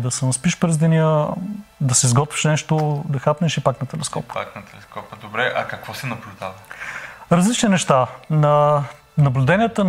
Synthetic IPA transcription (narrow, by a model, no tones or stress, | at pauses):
d̪ɐsɛnɐspiʃpɾɛzd̪ɛnʲiə | d̪ɐsɛizɡɔt̪vi̥ʃnɛʃt̪od̪ɐxapnɛʃipaknɐt̪ɛlɛskɔpa̰knɐt̪ɛlɛskɔpəd̪obɾɛʔɐkɐkvɔsɛnɐblʲʊd̪avəɾɐzlit͡ʃninɛʃt̪anɐ | nɐblʲud̪ɛnijət̪ən